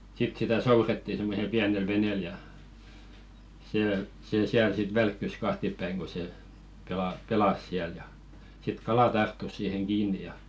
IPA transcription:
sit sitæ souretːi semːosel piænel ʋeneˑl jɑ seː seˑ siæl sit ʋælkːys kɑhtipːæiŋ ko se pelɑ pelɑs siæl jɑ sit kɑlɑ tɑrtːus siːheŋ kiːnˑi jɑ

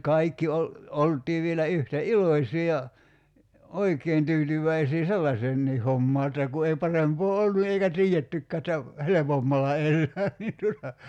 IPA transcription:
kɑikːi ol oltˑiː ʋielæ yhtæ iloĭsiˑ jɑ oikˑeːn tyːtyʋˑæisiː selːɑseːnːiː homːɑː etːæ ku ei pɑrempoː olːu eikæ tiːetːykːæː ĕtːæ helepomːɑlːɑ elːæː niːn tuotɑ

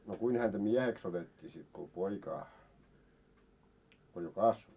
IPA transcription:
no kuin hæntæ miɛheks otetʲːiː sit ko poikɑː ko jo kɑsʋo

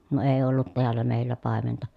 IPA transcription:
ne eː olːut teælːæ meˑilːæ pɑˑementɑ

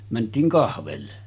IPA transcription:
mæntˑiːŋ kɑhʋelːe

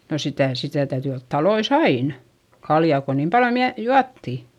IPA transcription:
no sitæˑ sitæ tæyty olt tɑlois ɑin kɑljɑˑ ko niːm pɑljo miæ juɑtːi

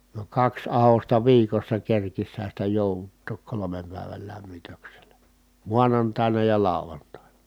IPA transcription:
ni kɑks ɑhostɑ ʋiːkosːɑ kerkishæn̞ sitæ joˑuʋutːoːk kolomem pæˑi̯ʋæl læmːitøkselæ muɑnɑntɑˑi̯nɑ jɑ lɑˑu̞ʋɑntɑˑinɑ

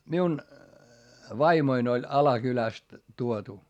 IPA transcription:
miun ʋɑimoin olʲ ɑlɑkylæst tuotu

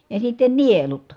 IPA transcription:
jɑ sitːen nielut

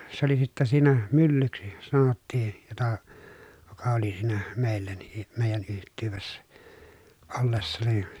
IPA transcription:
se oli sitːæ siːnæ mylːyksi sɑnotːiː jotɑ jokɑ oli siːnæ meˑilˑæ niː meˑijæn yhtˑyːʋesːæ olːesːɑ ni

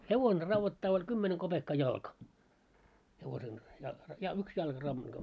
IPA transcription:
heʋone rɑʋːotːɑː olʲ kymːene kob̥ekːɑ jɑlkɑ heʋosen jɑ jɑ yks jɑlkɑ rɑʋːotːɑː

